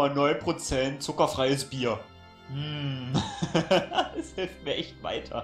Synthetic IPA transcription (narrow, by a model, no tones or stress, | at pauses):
anɔʏnpʁ̥ot͡sɛntt͡sʊkɐfʁ̥aɪəsb̥iːɐ | m̩ | ɛshɪlft̚miːɐʔɛçtva̰ɪtʰɐ̰